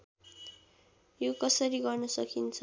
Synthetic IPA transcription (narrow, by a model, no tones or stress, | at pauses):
jokʌsʌɾiɡʌrnʌsʌkʰint͡sʰʌ